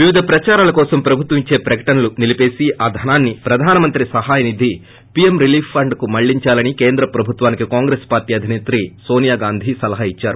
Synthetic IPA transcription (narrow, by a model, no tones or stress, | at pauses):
ʋiʋid̪ʱɐpɾɐt͡ʃaːɾaːlɐkɔːsɐmpɾɐbʱut̪ɐʋiɲt͡ʃe̞ːpɾɐkɐ̥ʈɐnɐlunilipe̞ːsiʔaːd̪ʱɐnaːnːipɾɐd̪ʱaːnɐmɐnt̪ɾisɐɦaːjɐnid̪ʱi | pijemɾiliːfpʰːɐɳɖkumɐɭːiɲt͡ʃaːlɐnike̞ːnd̪ɾɐpɾɐbʱut̪ʋaːnikikaːŋɡɾeːspaːɾʈiːɐd̪ʱineːt̪ɾiːso̞ːnijaːɡaːnd̪ʱisɐlɐɦɐit͡ʃːaːɾu